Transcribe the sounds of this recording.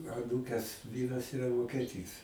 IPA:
ɐˈnuːkʲɛs ˈʋʲiːrɐs ɪˈrɐ ʋoːkʲɛˈtʲiːs

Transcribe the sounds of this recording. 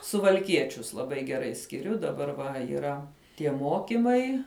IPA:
sʊʋɐlʲˈkʲiɛt͡ʃʲʊs lˠɐˈbɐɪ ɡʲɛˈrɐɪ sʲkʲɪˈrʲʊ dɐˈbɐr ʋɐ iːˈrɐ tʲiɛ ˈmoːkʲɪmɐɪ

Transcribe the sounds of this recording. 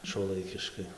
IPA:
ʃuɔˈlˠɐɪkʲɪʃkɐɪ

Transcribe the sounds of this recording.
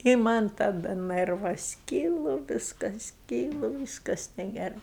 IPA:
ɪ mɐnʲ tɐˈdɐ ˈnɜrʋɐs ˈkʲiːlˠʊ ˈʋʲiːskɐs ˈkʲiːlˠʊ ˈʋʲiːskɐs nʲɛɡʲɛˈrɐɪ

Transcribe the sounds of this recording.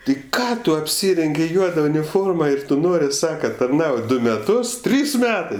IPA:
tʲɪ ˈkɑː tʊ ɐpʲˈsʲiːrʲɛŋʲɡʲɪ ˈjuɔdɐ ʊnʲɪˈfoːrmɐ ˈɪr ˈtʊ ˈnoːrʲɪ ˈsɑːkɐ tɐrˈnɐʊtʲ ˈdʊ mʲɛˈtʊs ˈtʲrʲiːs ˈmʲæːtɜ

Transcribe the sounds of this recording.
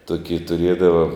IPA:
ˈtuɔkʲɪ tʊˈrʲiɛdɐʋɐ

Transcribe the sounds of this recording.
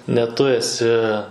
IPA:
nʲɛ ˈtʊ ɛˈsʲɪ

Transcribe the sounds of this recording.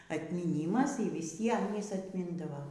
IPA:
ɐtʲmʲiːˈnʲiːmɐs iː ʋʲɪˈsʲiɛm ˈjɪs ɐtʲˈmʲɪndɐʋoː

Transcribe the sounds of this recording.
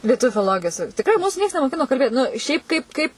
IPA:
lʲiɛˈtʊʋʲuː fʲɪlˠoːˈlˠoːɡʲɪjoːs tʲɪkˈrɐɪ ˈmuːsʊ ˈnʲiɛks nʲɛmoːˈkʲɪnoː kɐlʲˈbʲeːt nʊ ˈʃʲɛɪp ˈkɐɪp ˈkɐɪp

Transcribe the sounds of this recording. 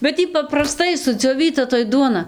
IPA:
bʲɛt ˈiː pɐprɐˈstɐɪ sʊd͡zʲoːˈʋʲiːtɐ toːj ˈduɔnɐ

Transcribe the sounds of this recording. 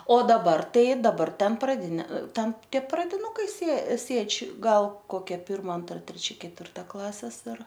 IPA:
oː dɐˈbɐr ˈtɐɪ dɐˈbɐr ˈtʲɛn prɐˈdʲɪnʲeː ˈtʲɛn ˈtʲiɛ prɐdʲɪˈnʊkɐɪ sʲeː ˈsʲeːt͡ʃʲ ˈɡɐlˠ koːˈkʲɛ ˈpʲɪrmɐ ˈɐntrɐ tʲrʲɛˈt͡ʃʲɛ kʲɛtʲʋʲɪrˈtɐ ˈklˠɑːsʲɛs ɪr

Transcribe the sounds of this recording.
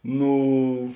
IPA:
ˈnuː

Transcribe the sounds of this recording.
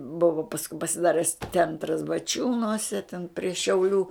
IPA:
ˈbʊʋɐ pɐsˈkʊɪ pɐsʲɪˈdɑːrʲɛs ˈt͡sʲɛntrɐs bɐˈt͡ʃʲuːnuɔsʲɛ tʲɛn pʲrʲiɛ ʃʲɛʊˈlʲuː

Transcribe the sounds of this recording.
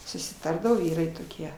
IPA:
sʊsʲɪˈtɐrdɐʋoː ˈʋʲiːrɐɪ toːˈkʲiɛ

